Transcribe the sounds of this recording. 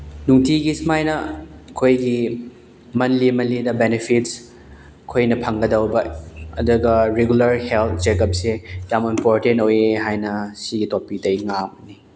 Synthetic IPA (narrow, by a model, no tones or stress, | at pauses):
nuŋtʰiɡismajnɐkʰojɡi | mɐnlimɐnlidɐbenepʰits | kʰojnɐpʰɐŋɡɐdɐwbɐɐduɡɐɾeɡulɐɾhelt̪̚ʰd͡ʒekɐp̚sejamimpoɾtentojeɦajnɐsiɡitopidɐjŋamni